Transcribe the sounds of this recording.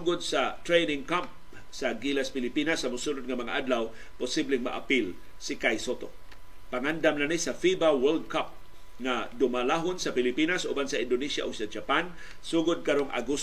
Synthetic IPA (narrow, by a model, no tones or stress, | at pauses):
ɡʊd̪̚sat̪ɾejnɪŋkamp̚ | saɡilaspɪlɪpinasːɐmʊsunʊd̪̚ŋamɐŋa̰ʔad̪law | pʊsiblɪŋma̰ʔa̰pil | sɪkajsot̪o | paŋand̪amnanisafibawɛld̪̚kap̚ | ŋad̪ʊmalaɦonsapɪlɪpinasʔṵbansaʔɪnd̪ʊnisja̰ʔoɡ̚sad͡ʒapan | suɡʊd̪̚kaɾoŋʔa̰ɡus